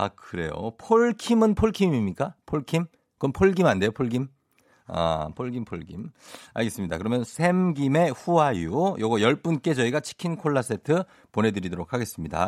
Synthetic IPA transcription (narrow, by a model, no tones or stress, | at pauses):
a̰kɯɾe̞̰jo̰pʰoɭkʰimɯnpʰoɭkʰimimɲik͈apʰoɭkʰim | kʌnpʰoɭɡimande̞jopʰoɭɡim | a̰pʰoɭɡimpʰoɭɡḭma̰ɭɡe̞s͈ɯmɲidakɯɾʌmjʌnsʰe̞mɡime̞ɸuajujʌɡʌjʌɭp͈unk͈e̞t͡ɕʌiɡat͡ɕʰi̥kʰinkʰoɭːas͈ʰe̞tʰɯ | pone̞dɯɾidoɾokʰaɡe̞s͈ɯmɲida̰